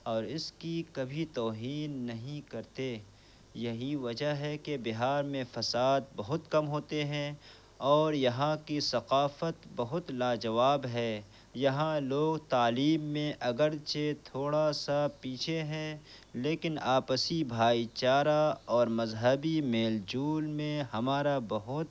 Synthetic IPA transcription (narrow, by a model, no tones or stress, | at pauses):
ɔːɾɪskikɐbʱit̪ɔːɦiːnːɐɦĩkɐɾt̪e | jɐɦiʋɐd͡ʒəɦɛkebɪɦaːɾmẽfɐsaːd̪̚bɐɦʊt̪kɐmɦoːt̪eɦɛ̃ | ɔːɾjɐɦãkisɐqaːfət̪bɐɦʊt̪laːd͡ʒɐʋaːbɦɛː | jɐɦãloːɡt̪aːliːmːẽʔɐɡəɾt͡ʃʰet̪ʰoːɽasapiːt͡ʃʰeɦɛ̃ | leːkɪnaːpəsibʱaːit͡ʃaːɾaɔːɾmɐzɦəbimeːld͡ʒuːlmẽɦɐmaːɾabɐɦʊt̪